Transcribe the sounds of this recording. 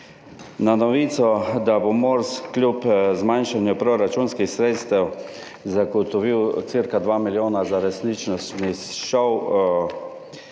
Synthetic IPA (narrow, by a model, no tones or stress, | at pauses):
nanɔʋiːt̪sɔd̪abomɔɾsklʲjupzmajnʃanjupɾɔɾat͡ʃunskixsɾeːt̪st̪ɛw | zaɡɔt̪ɔʋiwt̪siɾkad̪ʋaːmiljoːnazaɾɛsnit͡ʃnɔst̪niʃɔw